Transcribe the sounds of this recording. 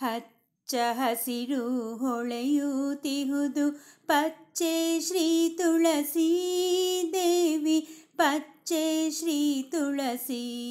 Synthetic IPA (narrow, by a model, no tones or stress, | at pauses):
hɐ | t͡ʃɐɦɐsiɾuɦoɭejut̪iɦud̪upɐt͡ʃeʃɾiːt̪uɭɐsi | d̪eːʋipɐt͡ʃeʃɾiːt̪uɭɐsi